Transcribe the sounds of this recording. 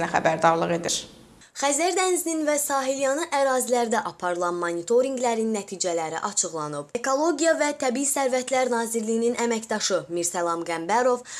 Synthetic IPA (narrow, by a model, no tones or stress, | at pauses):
næxæ̰bæɾd̪ɑɾlˠɯʁe̞d̪iɾ | χæzæɾd̪ænzininvæsɑːɦiljɑnɯʔæɾɑːzilæɾd̪æʔɑpʰɑɾɯlˠɑnmonit̪ʰo̞ɾiŋɡlæɾinːæt̪ʰiːd͡ʒælæɾḭʔɑt͡ʃʰɯɣlˠɑnɯbeko̞lˠo̞ɡijɑvæt̪ʰæbiisæɾvæt̪ʰlæɾnɑːziɾlijininʔæmæcd̪ɑʃɯmiɾsælˠɑmɡæmbæɾo̞v